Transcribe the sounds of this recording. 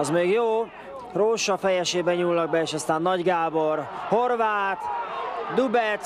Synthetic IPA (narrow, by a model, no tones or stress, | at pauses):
ɒzmeːɡjoː | roːʃɒfɛjɛʃeːbɛɲuːlnɒɡ̚bɛeːʃɒst̪aːnːɒɟɡaːborho̞rvaːt̪d̪ubɛt̪